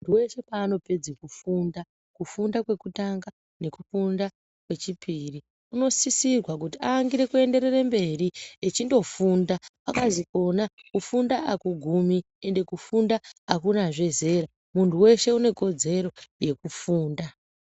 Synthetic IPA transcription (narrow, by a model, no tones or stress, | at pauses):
untuwe̞ʃe̞paːno̞pe̞d͡zikufunda | kufundakwe̞kutaŋɡa | ne̞kufunda | kwe̞t͡ʃipiːri | uno̞sisirwak̬utiaŋɡiɾekue̞nde̞ɾe̞rembe̞ɾiet͡ʃindo̞fundapakaziko̞nakufundaakuɡʱumi | e̞nde̞kufundaakunaʐe̞ze̞ɾa | muntʰuwe̞ʃe̞une̞ko̞d͡ze̞ɾo̞je̞kufuːnda